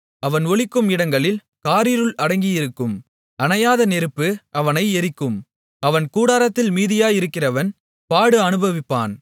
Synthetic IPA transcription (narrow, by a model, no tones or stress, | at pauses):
ɐʋɐnɔɭɪkːɯmɪɽɐŋɡɐɭɪl | kaːɾiːɾɯɭɐɽɐŋɡijɪɾɯkːɯm | ʔɐnɐjaːðɐnɛɾɯpːɯʔɐʋɐnɐɪɛɾɪkːɯm | ɐʋɐnkuːɽaːɾɐt̪ːɪlmiːðɪjaːjɪɾɯkːɪrɐʋɐn | paːɽɯɐnɯbɐʋɪpːa̰ːn